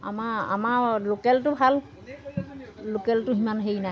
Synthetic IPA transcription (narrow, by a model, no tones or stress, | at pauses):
a̰maa̰malokɛltʊbʱal | okɛltʊɦimanɦejnaj